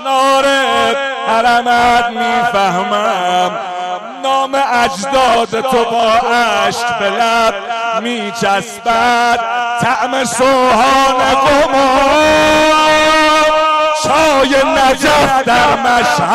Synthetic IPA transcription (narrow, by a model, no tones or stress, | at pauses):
nɒːɾehæɾæmæd̪miːfæhmæm | nɒːmeʔæd͡ʒd̪ɒːd̪et̪ʰobɒːʔæʃkbelæb̥miːt͡ʃʰæsbæd̪̥̚t̪ʰːæʔmesohɒːneɡomo | ʃʰɒːjenæd͡ʒæfd̪æmæʃh